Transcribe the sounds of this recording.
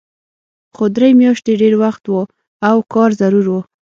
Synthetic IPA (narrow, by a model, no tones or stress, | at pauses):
xod̪ɾejmjɑʃt̪eɖeɾwaxt̪wo | awkɑɾzaɾuɾwo